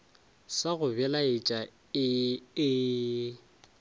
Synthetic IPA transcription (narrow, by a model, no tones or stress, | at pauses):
saɣʊbɛlaɪt͡ʃʼa | ɪɪ